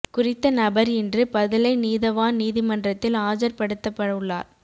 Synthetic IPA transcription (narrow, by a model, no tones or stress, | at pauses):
kʊrɪt̪ːɐnɐbɐɾɪndrɯpɐðɪlɐɪniːðɐʋaːniːðɪmɐndrɐt̪ːɪlaːd͡ʒɐɾpɐɽɯt̪ːɐpːɐɽɐɯɭːa̰ːɾ